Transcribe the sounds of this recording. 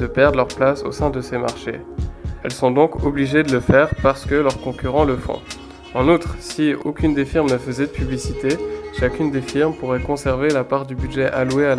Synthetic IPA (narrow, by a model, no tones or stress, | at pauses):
d̪əpɛʁd̪ʁlœʁplaso̰sɛ̃d̪əsema̰ʁʃḛ | ɛ̰lsɔ̃d̪ɔ̃kɔbliʒed̪ələfɛʁpaʁsə̥kəlœʁkɔ̃kʲyʁɑ̃ləfɔ̰̃ | ɑ̃nut̪χsio̰kʲynd̪efiʁmnəfəzɛd̪əpyblisit̪eʃakʲynd̪efiʁmpuʁɛkɔ̃sɛʁvelapaʁd̪ybyd̪ʒɛʔalueal